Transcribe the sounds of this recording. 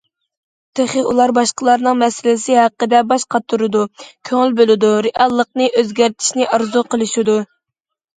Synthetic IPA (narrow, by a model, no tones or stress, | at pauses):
t̪ʰeχəʔulˠɑɾbɑʃqəlˠɑɾnɨŋmɛsɪlɪsɪhæqːəd̪ɛbɑʃqʰɑt̪ʰːuɾɨd̪ukʲʰøŋɪlbølɪd̪uɾeʔɑlˠːəq̚nɨʔøzɡʲæɾt̪ʰɪ̥ʃnɪʔɑɾzuqʰəlˠɨʃid̪u